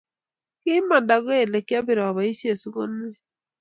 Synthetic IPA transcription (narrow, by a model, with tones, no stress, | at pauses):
kɪ˦ma˨nda˨ɣo˦e˦˨le˨kja˦bɪ˨ɾɔ˨βa˨i˦sje˨su˦ɣo˦ne˦